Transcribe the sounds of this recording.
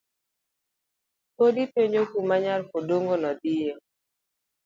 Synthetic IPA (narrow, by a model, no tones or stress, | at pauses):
podipeɲokumaɲalfodoŋɡonɔd̪ije